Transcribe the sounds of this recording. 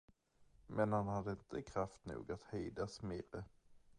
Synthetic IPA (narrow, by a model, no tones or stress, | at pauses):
mʔɛnhanhad̪ːəɪnt̪ʰəkʰɾaft̪nṵːɡat̪hyːd̪asmeːɾə